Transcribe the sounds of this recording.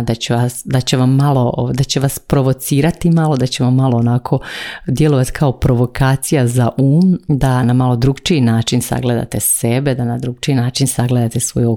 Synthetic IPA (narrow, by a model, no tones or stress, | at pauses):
d̪at͡ɕeʋasd̪at͡ɕe̞ʋamːalˠo̞d̪at͡ɕe̞ʋaspɾo̞ʋo̞t̪siːɾat̪imalo̞d̪at͡ɕe̞ʋamːalˠo̞onakʰo̞d̪je̞lo̞ʋat̪kʰao̞pɾo̞ʋo̞kʰaːt̪sijazaʔuːmd̪anamalˠo̞d̪ɾuɡt͡ʃiinaːt͡ʃinsa̰ɡle̞d̪a̰t̪esebe̞d̪anad̪ɾuɡ̚t͡ʃiinaːt͡ʃinsaɡle̞d̪at̪e̞sʋo̰juo